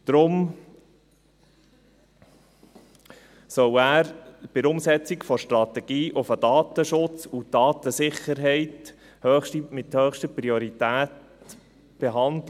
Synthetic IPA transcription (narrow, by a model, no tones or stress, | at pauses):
d̪̥ɾʊm | sœwæːɾb̥ɪɾʊmsɛt͡sikfɔʃtɾɑt̪ɛɡ̥iːʔʊfədɑːt̪əʃʊt͡sud̥ɑːt̪əsɪχəɾɦɛɪt | hœːχʃtimɪt̪høːχʃtəpɾiɔɾit̪æːt | b̥eɦɑndl